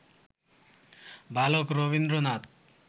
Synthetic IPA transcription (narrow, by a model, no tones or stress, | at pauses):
bʱalokɾobind̪ɾonat̪